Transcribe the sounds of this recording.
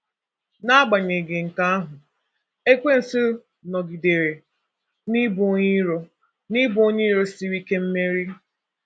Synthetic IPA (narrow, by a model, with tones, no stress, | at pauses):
na˦a˦ɡ͡ba˨ɲe˨ɡe˨ŋ̩˨ka˦a˦ɦʊ˨ | e˦kʷe˦n̩˨si˦ | nɔ˨ɡi˨de˨ɾe˨ | ni˦bo˨˦ɲi˦ɾo˨ | ni˦bʊ˦o˦ɲi˦ɾo˦si˦ɾi˦ke˦m̩˦me˦ɾi˦